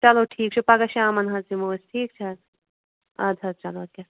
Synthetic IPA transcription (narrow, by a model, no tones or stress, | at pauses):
t͡ʃɐloːʈʰiːk̚t͡ʃʰupɐɡɐʃaːmɐnɦɐsimoːsʈʰiːk̚t͡ʃʰɐ | ɐd̪ʱɐt̪̚t͡ʃɐloːkʲɐ